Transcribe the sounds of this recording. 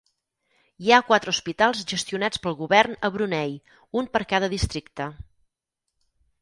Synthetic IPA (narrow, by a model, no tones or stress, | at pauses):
iakwat̪ɾəuspit̪alˠzʒəst̪iunat͡spəlˠɣuβɛrnəβɾunɛj | umpəɾkaðəðist̪ɾikt̪ə